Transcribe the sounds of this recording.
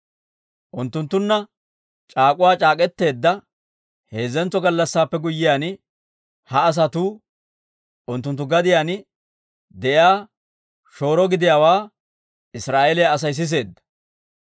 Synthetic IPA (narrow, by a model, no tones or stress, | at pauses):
ʔʊnt̪ːʊnt̪ːʊnːɐ | t͡ʃʼaːkʼʊwaːt͡ʃʼaːkʼɛt̪ːe̞ːd̪ːɐ | he̞ːzːɛnt͡sːɔɡɐlːɐsːaːpːɛɡʊjːɪjaːnɪ | hɐːs̬ɐt̪uː | ʔʊnt̪ːʊnt̪ːʊɡɐd̪ɪjaːnɪ | d̪ɛʔjaː | ʃo̞ːɾɔɡɪd̪ɪjaːwaː | ɪsɾaːʔelɪjaːs̬ɐjs̬ɪs̬e̞ːd̪ːɐ̥